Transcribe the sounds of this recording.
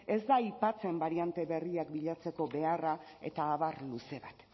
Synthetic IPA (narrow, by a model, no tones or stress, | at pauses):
e̞zd̪aipat͡se̞mbaɾiant̪e̞βe̞riakbiʎat͡se̞ko̞βe̞ara | e̞̰t̪aːβarluse̞βat̪